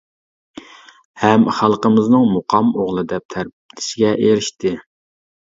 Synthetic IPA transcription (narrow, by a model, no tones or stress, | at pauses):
hɛmχælˠqəmɨznɨŋmʊqʰɑmoʁlˠɨd̪ɛp̚t̪ʰæɾbt̪ʰɪ̥sɪɡʲɛʔeɾɪʃt̪ɪ